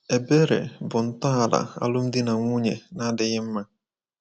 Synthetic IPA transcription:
e˨be˦ɾḛ˨bʊ˨n̩˦tɔ˦a˨la̰˨a̰˦lʊ˦m̩˦dɪ˦na˨ŋʷu˦ɲe˨na˦dɪ˨ɣɪ˦m̩˦ma˦

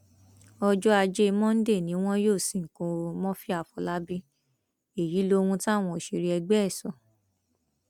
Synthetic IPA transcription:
ɔ˧d͡ʒɔ˦a˧d͡ʒe˦˧mɔ̃˦n̩˦de˦˨nĩ˨˦w̃ɔ̃˦joː˦˨sĩ˨ŋ̩˨kõ˧mɔ̃˦fi˦a˨fɔ˧la˦bi˦ | e˨ji˨˦lo˦˧hũ˧ta˦˨w̃ɔ̃˧o˨ʃi˧ɾi˧ɛ˧ɡ͡bɛ˦˨sɔ˨

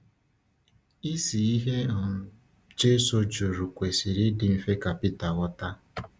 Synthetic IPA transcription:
i˦si˨i˦ɦe˦˨ | d͡ʒe˦so˦d͡ʒo˨ɾu˨kʷe˨si˨ɾi˦dɪ˨m̩˦fe˦ka˨pi˦ta˨ɣɔ˦ta˦

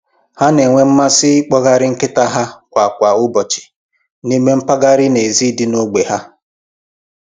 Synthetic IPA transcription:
ha˦ne˨ŋʷe˦m̩˦ma˦sɪ˦ɪ˦k͡pɔ˦ɣa˦ɾɪ˦ŋ̩˦kɪ˦ta˦ɦa˦kʷa˨kʷa˨ʊ˦bɔ˨t͡ʃɪ̥˨ | ni˦me˦m̩˦pa˦ɡa˦ɾɪ˦ne˨zi˦dɪ˦no˦ɡ͡be˨ɦa˦

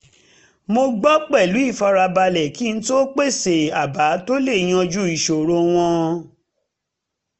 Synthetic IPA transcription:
mo˧ɡ͡bɔ˦k͡pɛ˦˨lu˨˦i˦˨fɔ˧ɾa˧ba˧lɛ˨ki˦˧n̩˦to˦k͡pe˦˨se˨a˨ba˨˦to˦le˦˨j̃ɔ̃˧d͡ʒu˦i˨ʃo˨ɾo˧w̃ɔ̃˧

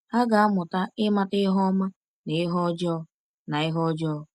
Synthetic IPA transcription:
ha˦ɡa˨a˦mʊ˨ta˦ɪ˦ma˦tɪ˦ɦɔ˦ma˦ | ne˨ɪ˦ɦɔ˦d͡ʒɔ˦ | na˨ɪ˦ɦɔ˦d͡ʒɔ˦˨

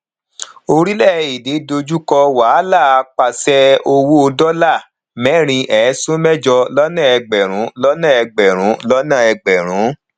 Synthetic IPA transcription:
o˧ɾi˦lɛ˦˨i˨de˨˦do˧d͡ʒu˦kɔ˧wa˨˦la˦˨a˧k͡pa˧sɛ˦o˧wu˦o˧dɔ˦la˦˨ | mɛ̃˦ɾ̃ĩ˧ʔɛ˨˦sũ˦mɛ˦d͡ʒɔ˧lɔ˦nã˦˨ɛ˧ɡ͡bɛ˨ɾ̃ũ˨˦lɔ˦nã˦˨ɛ˧ɡ͡bɛ˨ɾ̃ũ˨˦lɔ˦nã˦˨ɛ˧ɡ͡bɛ˨ɾ̃ũ˨˦

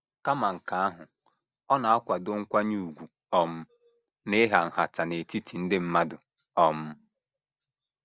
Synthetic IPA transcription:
ka˦ma˨ŋ̩˨ka˨˦a˦ɦʊ˨ | ɔ˦na˨a˦kʷa˨dʊ˦ŋ̩˦kʷa˦ɲu˦u˨ɡʷu˨ | ɔ˦m̩˦ | ne˦ɦa˨ŋ̩˨ha˨ta˨ne˨ti˦tʰi˨n̩˦dɪ˦m̩˦ma˦dʊ˨ | ɔ˦m̩˦

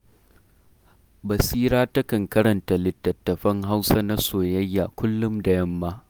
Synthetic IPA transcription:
bɐ˨siː˦ɾaː˦tɐ˦kɐ˨ŋkɐ˦ɾɐ˨nta˨lɪ˨tːɐ˨tːɐ˨ɸɐ˦ŋɦa˦wsa˦na˦soː˨jɐ˦jːa˨kʷʊ˦lːʊ˦mdɐ˨jɐ˦mːa˦ʔ

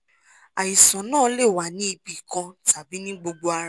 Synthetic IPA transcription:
a˨i˨sɔ̃˨˦nãː˦˨˦le˦˨wa˨nĩ˦i˧bi˨kã˧ta˨bi˦nĩ˦ɡ͡bo˧ɡ͡bo˧a˧ɾa˦˧

